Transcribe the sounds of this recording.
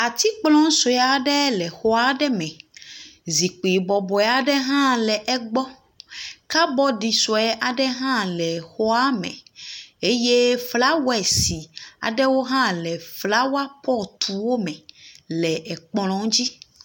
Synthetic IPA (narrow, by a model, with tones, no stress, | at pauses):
a˨t̪i˦k͡plɔ̃˦ŋ˦so˨ja˨ɖɛ˦lɛ˨xo˦a˦ɖɛ˦mɛ̃˨ | zi˨k͡pi˨bɔ˨bɔ˨ɛ˨a˨ɖɛ˦ɦã˦lɛ˨ʔɛ˦ɡ͡bɔ˦ | ka˦bɔ˦ɖi˨sɔ˨ɛ˦ʔa˨ɖɛ˦ɦã˦lɛ˨xo˦a˦mɛ̰̃˨e˦je˦fla˦wɛ˨si˨a̰˨ɖɛ˦wo˦ɦã˦lɛ˨fla˦wa˦pɔ˦t̪ʰu˨wo˦mɛ̃˨lɛ˨ʔɛ˨k͡plɔ̃˨ŋ˦d͡ʑi˦